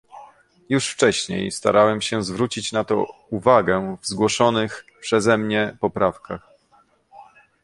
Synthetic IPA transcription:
juʂft͡ʂɛɕɲḛjst̪a̰ɾawɛmɕɛzvɾut͡ɕit͡ɕnat̪ɔ̰uvaɡɛvzɡwɔʂɔnɘxpʂɛzɛmɲɛpɔpɾafkax

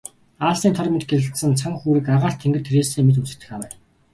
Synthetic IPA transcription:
aːɮsiːnt̪ʰɔrʲmʲɪnt̪̚ɡeɮɘ̆ɬt̪sə̆nt͡sʰaŋxuːɾɘ̆kaʁaːɬt̪ʰːeŋɡɘ̆t̪ʰeɾeːseːmet̪̬ut͡sɘ̆r̥t̪ɘ̆xawæː

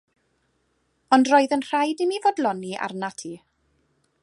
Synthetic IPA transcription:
ɔndroːɨðənr̥ajdimivodlˠɔniʔa̰rnatʰiː

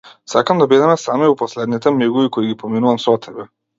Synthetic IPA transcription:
sakamd̪abid̪ɛmɛsamiupɔslɛd̪nit̪ɛmiɡuvikɔiɡipɔminuvamsɔt̪ʰɛbɛ

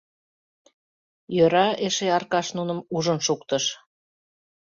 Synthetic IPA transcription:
jøɾɑeʃeɑrkɑʃnunəmuʒənʃukt̪əʃ

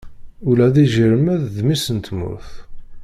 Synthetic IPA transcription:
ʊlæðiʒəɾəmæððmisənt̪mʊ̰ɾθ

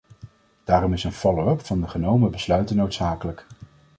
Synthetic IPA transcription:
d̥aːrɔmɪsənfɔlowœpfɑndəχənowməbəslœɥtənːowtsaːkələk

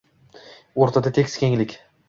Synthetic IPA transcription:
oɾt̪ʰad̪at̪ʰekʲskʲeŋlɪkʲ

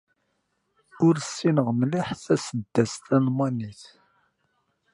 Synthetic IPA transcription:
ʊɾsːinəʁmliħθæsəd̪ːæst̪ænmæniθ

